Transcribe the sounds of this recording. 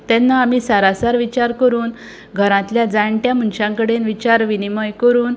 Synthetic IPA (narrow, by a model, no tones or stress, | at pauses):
t̪ɛnːaːmiːsaɾasaɾʋit͡ɕaɾkəɾuːn | ɡʱəɾãt̪ljad͡zaɳʈjam̤unɕãŋkəɽenʋit͡ɕaɾʋiniməjkəɾuːn